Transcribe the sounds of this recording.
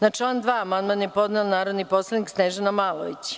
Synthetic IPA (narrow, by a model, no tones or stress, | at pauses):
nat͡ʂlˠaːnd̪ʋaːamand̪manjepo̞d̪neonaːɾod̪nipo̞slˠed̪niksneʒanamaːlˠo̰ʋit͡ɕ